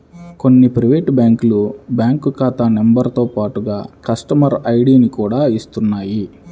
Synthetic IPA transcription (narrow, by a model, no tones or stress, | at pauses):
ko̞nːipɾiʋeːʈbjaːŋkulubjaːŋkukaːt̪aːnembɐɾt̪oːpaːʈuɡaːkɐsʈɐmɐɾɐjɽiːnikuːɽaːist̪unːaːji